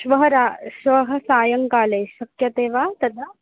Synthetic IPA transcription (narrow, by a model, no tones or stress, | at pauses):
ʃʋɐɦɐɾaːʃʋɐɦɐsaːjɐŋkaːleːʃɐkjɐt̪eːʋaːt̪ɐd̪ʰʱa